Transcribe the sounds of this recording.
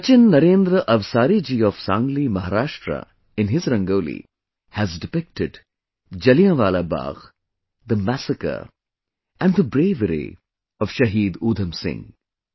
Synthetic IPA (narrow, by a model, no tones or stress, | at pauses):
ɐt͡ʃɪnːɐɾẽːnd̪ɾəʔɐʋsaːɾid͡ʒiːɔʋsãːŋɡlimɐɦaɾaːʃʈɾə̰ | ɪ̃nɦɪzɾɐ̃ŋɡoːlḭ | hæzɖɪpɪk̚ʈɪɖ | d͡ʒɐlijãʋaːlaba̰ːɣ | d̪əmæsəkə̰ | ɛ̃nd̪əbɾeːʋəɾḭ | ɔʋ̥ʃɐɦiːd̪uːd̪ʱə̃msɪ̰̃ŋ